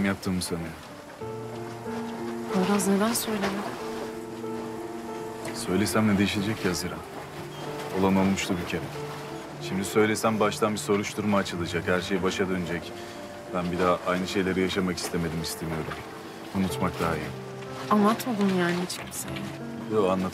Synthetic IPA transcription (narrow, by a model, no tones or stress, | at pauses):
mjap̚t̪ʰɯːmːɯsanɯjo | oɾazned̪ænsø̞jlʲemɛm | sø̞jlʲesæmnɛd̪e̞jiʃilʲed͡ʒɛcːazɯɾa | olˠamolˠmuʃlˠubicʰemɛ | ʃimd̪isø̞jlʲe̞sæmbaʃt̪ʰanbiso̞ɾuʃd̪uɾmaːt͡ʃʰɯlˠad͡ʒakhæɾʃe̞jibaʃad̪ø̞nyd͡ʒɛc | bænbid̪aʔajnɯʃe̞jlʲe̞ɾijaʃamaki̥st̪ʰe̞me̞d̪imist̪ʰe̞mijo̞ɾum | unut̪mak̚d̪aɦajin | anlˠat̪ʰod̪ˠunjaːniit͡ʃʰimsen | oanlˠat̪